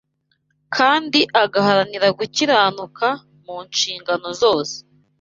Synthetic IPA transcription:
kʰaːndiʔaɡahaɾaniɾaɡuciɾaːnukʰa | muːnʃiːŋɡano̞zo̞ːse̥

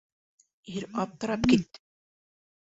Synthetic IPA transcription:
iɾɑp̚t̪ːɤ̆ɾɑpkit̪

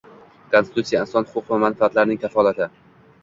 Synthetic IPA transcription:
kʰonsɪt̪ut̪sijaɪnsɒnhʊqʰʊqvamanfaat̪laɾnɪŋkʲʰafɒlˠat̪ʰɪ

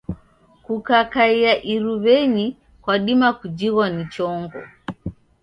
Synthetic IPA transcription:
kukakaiaʔiɾuβɛɲi | kwaɗimakud͡ʒiɣwanit͡ʃɔŋɡɔ̰

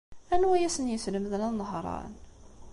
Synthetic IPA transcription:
ænwæjæsənjəsləməðənænɦɾˤɑ̰n

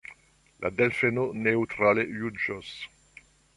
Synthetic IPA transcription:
lʔa̰d̪ɛlfenoneut̪ɾalejud͡ʒos

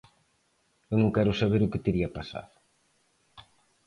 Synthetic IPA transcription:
ewnõŋkɛɾʊsaβ̞eɾʊket̪eɾiɐpasa̰ð

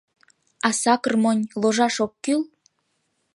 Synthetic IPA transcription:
ɑsɑkɤrmonʲloʒɑʃokːyl

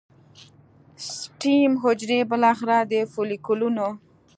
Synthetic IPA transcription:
sʈimɦʊd͡ʒɾebəlɑxɪɾad̪əfolikuluno

